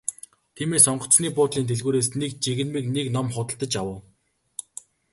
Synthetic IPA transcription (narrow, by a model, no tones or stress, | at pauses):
t̪ʰiːmeːsɔɴɢɞ̆t͡sniːpʊːt̪ɮiːnt̪ʰeɮɣuːɾeːsnek̚t͡ɕiɣɘ̆nmiːkneknɔmχʊt̪ə̆ɬt̪ə̆t͡ɕawə̆w